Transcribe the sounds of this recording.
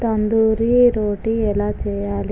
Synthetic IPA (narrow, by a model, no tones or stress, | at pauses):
t̪ɐnd̪uːɾiɾoːʈiɛlaːt͡ʃɛːjaːli